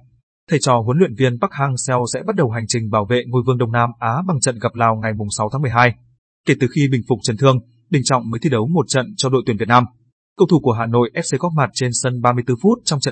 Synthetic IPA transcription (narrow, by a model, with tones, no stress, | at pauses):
t̪ʰə˨˩jt͡ɕɔ˨˩ɦu˨˦nlwḭ˧˨ənvi˧ənɓa˦˥k̚haː˧ŋsɛ˧wsɛ̰˧˥ɓa˦˥t̚ɗə˨˩wɦa˨˩jŋ̟t͡ɕï˨˩ŋ̟ɓaː˧˩wvḛ˧˨ŋo˧jvɨ˧əŋɗə˧wŋ͡mnaː˧mʔaː˨˦ɓa˨˧˩ŋt͡ɕə̰˧˨nɣə˨˩p̚laː˧wŋa˨˩jmʊ˨˩ŋ͡msa˨˦wt̪ʰa˨˦mɨ˨˩əjɦaː˧j | ke˧˩t̪ɨ˨˩xi˧ɓï˨˩ŋ̟fʊ˨˩k͡p̚t͡ɕə˨˩nt̪ʰɨ˧əŋ | ɗï˨˩ŋ̟t͡ɕɔ̰˧˨ŋ͡mməː˨˦jt̪i˧ɗə˨˦wmo˨˩t̚t͡ɕə̰˧˨nt͡ɕɔ˧ɗo̰˨˧˨t̪wi˧˩vt̚naː˧m | kə˧wt̪ʰu˧˩ku˧˩əɦaː˨˩no̰˧˨jʔɛ˦˥p̚se˧kɔ˦˥t̚maː˨˩t̚t͡ɕe˧nsə˧nɓaː˧mɨ˧əjt̪ɨ˧fu˦˥t̚t͡ɕɔ˧wŋ͡mt͡ɕə̰˧˨